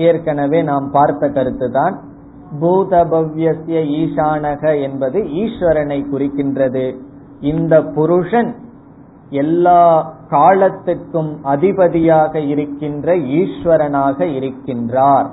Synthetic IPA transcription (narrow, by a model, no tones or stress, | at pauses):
eːɾkɐnɐʋeːnaːmpaːɾt̪ɐkːɐɾɯt̪ːɯt̪aːn | buːðɐbɐʋjɐsjɐiːʂaːnɐɣɐɛnbɐðɯiːʂʋɐɾɐnɐɪkʊrɯkːɪndrɐðɯ | ɪnd̪ɐpːʊɾʊʂɐn | ɛlːaːkaːɭɐt̪ːɪrkɯmɐðɪbɐðɪjaːɣɐɪɾɯkːɪndrɐiːʂʋɐɾɐnaːɣɐɪɾɯkːɪndraːɾ